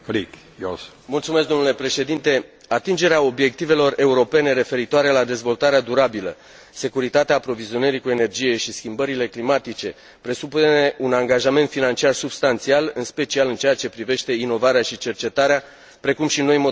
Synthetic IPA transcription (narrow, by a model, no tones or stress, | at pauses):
flik | jos | mult̪sumeskd̪o̞mnule̞pɾe̞ʃe̞d̪int̪e̞ | at̪ind͡ʒe̞ɾeao̞bje̞k̚t̪ive̞lo̞re̞uɾo̞pe̞neɾe̞fe̞ɾit̪oaɾelad̪e̞zvo̞lt̪aɾead̪uɾabilə̰ | se̞kuɾit̪at̪eaːpɾo̞vizio̞nəɾikue̞ne̞rd͡ʒije̞ʃiskʲimbəɾile̞klimat̪it͡ʃe̞ | pɾe̞supunne̞ʔunaŋɡaʒament̪finant͡ʃiarsubst̪ant̪sialɨnspe̞t͡ʃialɨnt͡ʃeat͡ʃe̞pɾive̞ʃt̪e̞ino̞vaɾeaʃit͡ʃe̞rt͡ʃe̞t̪aɾea | pɾe̞kumʃino̞jmo